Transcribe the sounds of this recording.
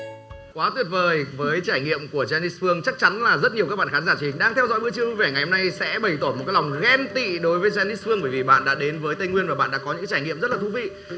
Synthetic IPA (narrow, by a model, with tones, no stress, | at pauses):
kwaː˨˦t̪wi˨˩ət̚vəː˨˩jvəː˨˦jt͡ɕaː˧˩jŋḭ˧˨əmku˧˩əzaː˧ni˦˥sfɨ˧əŋt͡ɕa˦˥k̚t͡ɕa˨˦nlaː˨˩zə˦˥t̚ɲi˨˩wkaː˦˥k̚ɓaː˧˨xaː˨˦zaː˧˩t͡ɕi˧˩hi˨ŋ̟ɗaː˧ŋt̪ʰɛ˧wzɔ̰˧˥jɓɨ˧t͡ɕi˧əu˧ve˧˩ŋa˨˩jho˧na˧jsɛ̰˧˥ɓə˧˩jt̪o˧˩nmo˨˩kaː˨˦jla˨˩wŋ͡mɣɛ˧mt̪ḭ˧˨ɗo˨˦jvəː˨˦jzaː˧ni˦˥s̚fɨ˧əŋɓəː˧˩vi˨˩ɓa̰ː˧˨nɗa̰ː˧˥ɗe˨˦nvəː˨˦jt̪ə˧jŋwi˧ənvaː˨˩ɓa̰ː˧˨nɗa̰ː˧˥kɔ˨˦ɲɨ̰˧˥kːjt͡ɕaː˧˩ŋḭ˧˨əzt̚laː˨˩t̪u˧vḭ˧˨